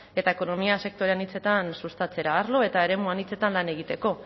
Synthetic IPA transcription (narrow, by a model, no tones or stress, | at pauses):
e̞t̪aeko̞no̞miase̞k̚t̪o̞ɾeanit͡se̞t̪ansust̪at͡se̞ɾaːɾlo̞e̞t̪ae̞ɾe̞muanit͡se̞t̪anlane̞ɣ̞it̪e̞ko̞